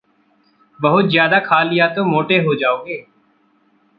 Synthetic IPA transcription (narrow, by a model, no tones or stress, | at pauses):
bəɦʊt̪zjaːd̪aːkʰaːlɪjaːt̪oːmoːʈeːɦoːd͡ʒaːoːɡeː